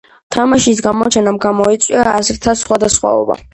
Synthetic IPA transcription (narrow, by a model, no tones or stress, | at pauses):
t̪ʰamaʃisɡamɔt͡ʃʰɛnamɡamɔit̪sʼwiaːsɾt̪ʰasχwad̪asχwa̰ɔ̰ba̰